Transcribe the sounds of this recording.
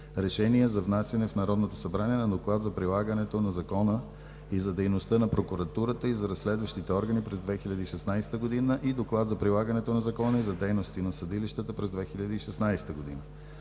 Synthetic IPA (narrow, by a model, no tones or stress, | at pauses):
ɾɛʃɛniɛzɐvnasjɐnɛfnɐɾɔd̪not̪osɐbɾaniɛnɐd̪oklˠat̪zɐpɾilˠaɡənɛt̪onɐzɐkɔnə | izɐd̪ɛjnost̪ɤnɐpɾokʊɾɐt̪uɾət̪əizɐɾɐsːlɛd̪vəʃt̪it̪ɛɔɾɡənipɾɛzd̪vɛxilʲɐd̪iiʃɛsnajsɛ̥t̪əɡod̪inəʔid̪oklˠat̪zɐpɾilˠaɡənɛt̪onɐzɐkɔnəizɐd̪ɛjnost̪inɐsɐd̪iliʃt̪ət̪əpɾɛzd̪vɛxilʲɐd̪iiʃɛsnajsɛ̥t̪əɡod̪ḭnə